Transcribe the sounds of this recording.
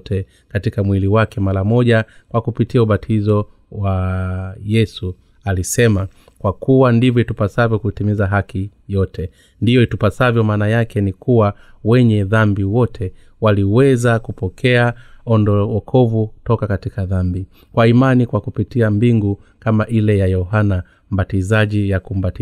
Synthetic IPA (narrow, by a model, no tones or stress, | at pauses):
tʰɛ | katikamwiliwakɛmaɾamɔʄakwakupitiauɓatʰizɔ | wa | jɛsu | alisɛma | kwakuwandivjɔitupasavjɔkutimizaɦakijɔtɛ | ndijɔitupasavjɔmaːnajakɛnikuwawɛɲɛðambiwɔtʰɛ | waliwɛzakupɔkʰɛaɔndɔɔkʰɔvutɔkakatikaðambi | kwaimanikwakupitiambiŋɡukamaʔilɛjajɔɦana | m̩batizaʄijakum̩bati